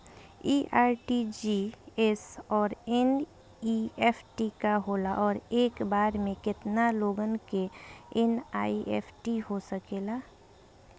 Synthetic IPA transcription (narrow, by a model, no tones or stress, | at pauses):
iːʔaːɾʈid͡ʒiɛsɔːɾɛn | iɛːfʰʈikaɦoːlaʔɔːɾeːkbaːɾmẽkɪt̪naloːɡənkeɛna̰ːiḛːpʰʈiɦosəkeːlaː